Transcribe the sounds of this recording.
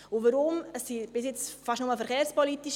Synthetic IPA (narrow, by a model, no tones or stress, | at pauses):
ʊʋəɾʊməsːib̥ɪs̬jɪt͡sfɑʃnʊməfəɾχeːɾspɔlit̪iʃ